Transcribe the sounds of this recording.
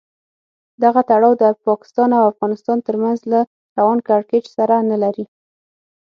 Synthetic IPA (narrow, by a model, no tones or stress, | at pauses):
d̪aɣat̪aɽɑwd̪əpɑkɪ̥st̪ɑnawafɣɑnɪst̪ɑnt̪əɾmanzla | ɾawɑnkaɾket͡ʃsaɾanalaɾi